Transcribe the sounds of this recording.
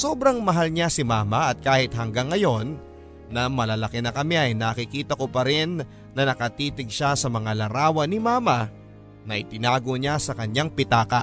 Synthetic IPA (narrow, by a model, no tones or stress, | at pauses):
so̞ːbɾɐŋmɐɦalɲasɪmaːmɐʔɐt̪̚kaːhɪt̪̚hɐŋɡaŋːɐjo̞nː | ɐmɐlɐlɐkɛnɐkɐmɛʔɐjnaːkɪkiːt̪ɐko̞pɐɾɪnː | ɐnɐkɐt̪iːt̪ɪɡ̚ʃasɐmɐŋalɐɾaːwɐnɪimaːmɐ | nɐʔɪt̪ɪnaːɡoɲasɐkɐɲaŋpɪt̪aːkɐʔ